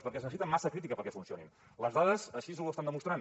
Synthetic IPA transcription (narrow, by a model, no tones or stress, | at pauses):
spəɾkɛsznəs̬it̪əmːasəkɾit̪̬ikəpəɾkɛfunsionḭm | ləzðaðəzəʃizluəst̪and̪əmust̪ɾan